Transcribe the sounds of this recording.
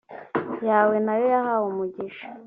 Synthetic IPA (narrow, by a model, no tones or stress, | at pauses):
jaːwe̞najojahawumuɟiʃḁ